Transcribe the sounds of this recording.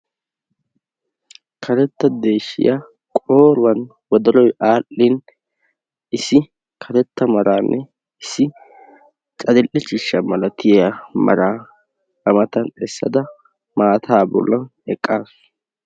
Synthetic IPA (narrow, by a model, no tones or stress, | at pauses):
kʰɐɾɛt̪ːɐd̪e̞ːʃːɪ̰ja | kʼoːɾʊwɐn | wɔd̪ɐlɔjʔaːlːɪn | ʔɪsːɪ | kʰɐɾɛt̪ːɐmɐɾaːnːʔɛ | ɪsːɪ | t͡ʃʼɐd̪ɪlʔːɪt͡ʃʼɪʃːɐmɐlɐt̪ɪjamɐ̰ɾaː | ɐmɐt̪ɐnɛsːɐd̪ɐ | maːt̪ʰaːbɔ̰lːɐnɛkʼːaːs